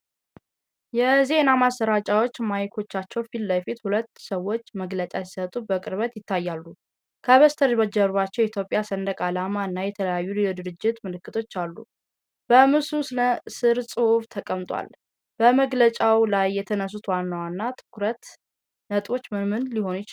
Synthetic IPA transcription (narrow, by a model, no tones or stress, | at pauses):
jɛzenamasəɾat͡ʃʼawo̞t͡ʃːmajkʰo̞t͡ʃːat͡ʃːɛwfilləfit̪hulət̪ːsəwo̞t͡ʃːməɡlət͡ʃʼasi̥sət̪ʼubəkʼɨɾβət̪jɪt̪ʰːajːalːu | kʰəβəst̪ʰəɾbəd͡ʒːəɾβat͡ʃːɛwɛit̪ʰjopʼjasənd̪əkʼalamaɨnːajɛt̪ʰələjajːulilod̪ɨɾɨd͡ʒːɪt̪mɨlɨkːɨt̪ʰo̞t͡ʃːalːṵ | b̥əmɨsusləsɨɾsʼɨhuft̪ʰəkʼəmt̪ʼwa̰l | b̥əməɡlət͡ʃʼawlajːɛt̪ʰənəs̬ut̪wanːəwanːat̪ʰɨ̥kɾət̪ | nət̪ʼwo̞t͡ʃːmɨmɨnliho̞njɪt͡ʃl